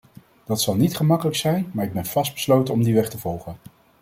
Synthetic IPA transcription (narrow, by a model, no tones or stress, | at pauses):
d̥ɑtsɑlˠnitχəmɑkələksɛjnmaːɹɪɡ̚bɛnv̥ɑsdbəslowtənɔmdiʋɛχtəvɔlˠχən